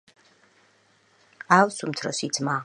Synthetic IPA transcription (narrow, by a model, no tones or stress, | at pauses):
awsumt̪ʰɾɔsit̪sʰma